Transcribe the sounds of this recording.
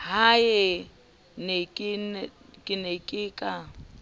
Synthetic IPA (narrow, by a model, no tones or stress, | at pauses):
hajɛ | nekʼɪnkʼɪnekʼɪːkʼa